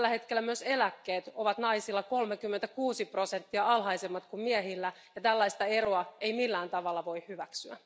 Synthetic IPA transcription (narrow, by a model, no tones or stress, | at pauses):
lːæhe̞t̪kelːæmyøse̞lækːeːt̪oʋɑt̪nɑisilːɑko̞lmekymːent̪ækuːsipro̞sent̪ːiɑɑlɦɑjse̞mːɑt̪kummieɦilːæ | jɑt̪ælːɑist̪ɑeroɑejmilːæːnt̪ɑʋɑlːɑʋo̞ihhyʋæksyæ̰